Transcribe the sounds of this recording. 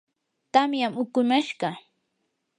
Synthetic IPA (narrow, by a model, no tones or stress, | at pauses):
t̪amjamʊkʊmaʃɢɑ